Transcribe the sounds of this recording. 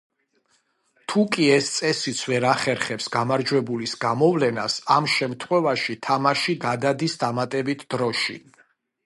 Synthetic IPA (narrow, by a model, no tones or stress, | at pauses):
t̪ʰukʼiɛst̪sʼɛsit̪sʰvɛɾaχɛɾχɛpsɡamaɾd͡ʒwɛbulisɡamɔvlɛnasamʃɛmt̪ʰχwɛvaʃit̪ʰamaʃiɡad̪ad̪isd̪amat̪ʼɛbit̪ʰd̪̥ɾɔʃḭ